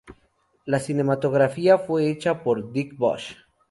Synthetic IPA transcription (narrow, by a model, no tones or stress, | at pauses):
lasinemat̪oɣɾafiafweet͡ʃapoɾd̪ikbo̰ʃ